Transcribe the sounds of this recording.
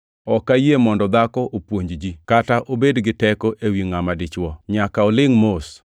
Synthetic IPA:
ɔkajemɔndɔd̪akɔʔopwoɲd͡ʒd͡ʒikataʔobedɡɪtɛkoʔewiŋamadɪt͡ʃwɔɲakaɔlɪŋmos

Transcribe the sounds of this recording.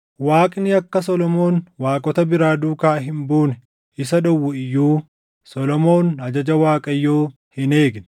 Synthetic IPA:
waːkʼnɪɐkːɐsɔlɔmo̞ːnwaːkʼɔt̪ɐbɪɾaːd̪uːkaːɦɪmbuːnɛ | ɪsɐᶑɔwːʊɪjːuː | sɔlɔmo̞ːnɐd͡ʒɐd͡ʒɐwaːkʼɐjːoː | hɪne̞ːɡnɛ̥

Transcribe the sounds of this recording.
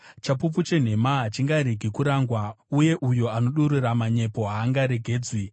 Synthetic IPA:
t͡ʃapup̬ut͡ʃe̞n̤e̞maɦat͡ʃiŋɡaɾiɡʱikuɾaŋɡwa | uje̞ʔujo̞ano̞ɗuɾiramaɲe̞po̞ɦaːŋɡaɾe̞ɡʱe̞ːd͡zwi

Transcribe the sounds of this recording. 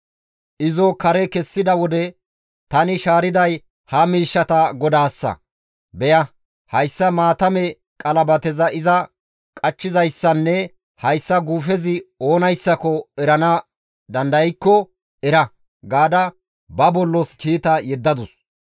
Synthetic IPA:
ʔɪzɔkɐɾɛkɛsːɪd̪ɐwɔd̪ɛ | t̪ɐnɪʃaːɾɪd̪ɐj | hɐmiːʃːɐt̪ɐɡɔd̪aːsːɐ̰ | bɛjɐ | hɐjsːɐmaːt̪ɐmɛ | kʼɐlɐbɐt̪ɛzɐɪzɐ | kʼɐt͡ʃːɪzɐjsːɐnːɛ | hɐjsːɐɡuːfɛzɪo̞ːnɐjsːɐkɔɛɾɐnɐ | d̪ɐnd̪ɐjɪkːɔ | ɛɾɐ | ɡaːd̪ɐ | bɐbɔlːɔskiːt̪ɐjɛd̪ːɐd̪ʊs

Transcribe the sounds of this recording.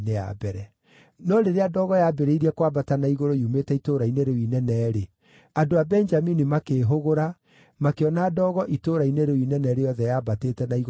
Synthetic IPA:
nea̰bɛɾɛ | nɔɾeɾeadɔːɣɔjabɛɾeiɾiɛkwabatanaiɣoɾoiumetɛitoɾaineɾoinɛnɛːɾe | adoabɛnd͡ʒaminimakeːɦoɣoɾa | makeɔnaːdɔːɣɔʔitoɾaineɾeinɛnɛɾejɔðɛjaːbatetɛnaiɣ

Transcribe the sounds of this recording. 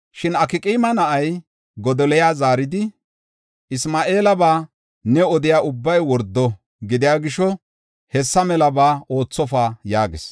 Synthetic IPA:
ʃɪnɐkɪkʼiːmɐnɐʔɐj | ɡɔd̪ɔlɛjaːzaːɾɪd̪ɪ | ɪsmaːʔe̞ːlɐbaː | nɛɔd̪ɪjaːʔʊbːɐjwɔɾd̪ːɔ | ɡɪd̪ɪjaːɡɪʃɔ | hɛsːɐmɛlɐbaːo̞ːt͡sːɔfaːjaːɡɪs

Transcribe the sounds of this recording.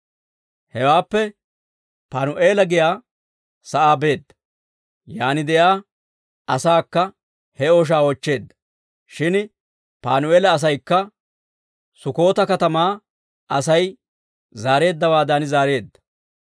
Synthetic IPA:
hɛwaːpːɛ | paːnʊʔe̞ːlɐɡɪjaː | sɐʔaːbe̞ːd̪ːɐ̥ | jaːnɪd̪ɛjaː | ɐsaːkːɐ | hɛoːʃ̬aːɔt͡ʃːe̞ːd̪ːɐ̥ | ʃɪn | paːnʊeːlɐːs̬ɐjkːɐ | sʊko̞ːt̪ɐkɐt̪ɐmaː | ʔɐsɐj | zaːɾe̞ːd̪ːɐwaːd̪ɐnɪzaːɾe̞ːd̪ːɐ̥

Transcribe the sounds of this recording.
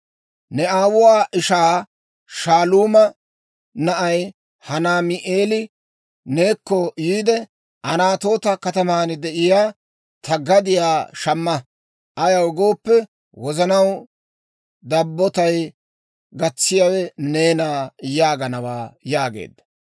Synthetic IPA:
nɛaːwʊwaːʔɪʃaː | ʃaːluːmɐ | nɐʔɐj | hɐnaːmɪʔeːlɪ | ne̞ːkːɔjiːd̪ɛ | ʔɐnaːt̪o̞ːt̪ɐkɐt̪ɐmaːnɪd̪ɛʔɪjaː | t̪ʰɐɡɐd̪ɪjaːʃɐmːɐ | ʔɐjɐwɡo̞ːpːɛ | wɔzɐnɐw | d̪ɐbːɔt̪ɐj | ɡɐt͡sːɪjaːwɛne̞ːnaːjaːɡɐnɐwa̰ːjaːɡḛːd̪ːɐ

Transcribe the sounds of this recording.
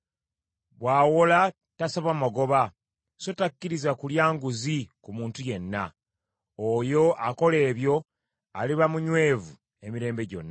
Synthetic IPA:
βwaːwola | tasaβwamaɡo̞βa | so̞takːiɾizakuljaːŋɡuzikumuːntuje̞nːa | ojo̞ʔako̞le̞ːβjo̞ | a̰liβamuɲwe̞ːvu | e̞miɾe̞ːmbe̞ɟo̞̰nːa

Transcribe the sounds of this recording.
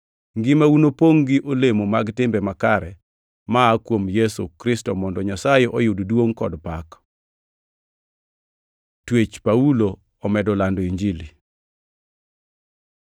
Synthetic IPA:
ŋɡɪmaunopoŋɡiʔolemomaɡtɪmbɛmakaɾɛ | maːkwomjesṵkɾɪstɔmɔndɔɲasajeʔɔjʊddwoŋkɔdpak | twet͡ʃpaulo | ɔmɛdɔlandɔiɲd͡ʒili

